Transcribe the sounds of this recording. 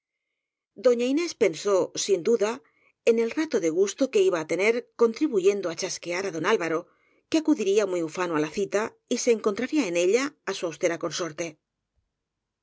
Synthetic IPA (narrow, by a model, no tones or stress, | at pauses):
d̪o̞ɲaine̞spe̞nso̞sind̪uða | e̞ne̞lrat̪o̞ðe̞ɣ̞ust̪o̞ke̞iβaːt̪e̞ne̞ɾko̞nt̪ɾiβuʝe̞nd̪o̞at͡ʃaske̞aɾaðo̞nalβaɾo̞ | keakuðiɾiamijufanoalaθit̪a | ise̞ːŋko̞nt̪ɾaɾiae̞ne̞ʎaːsuawst̪e̞ɾako̞nso̞ɾt̪e̞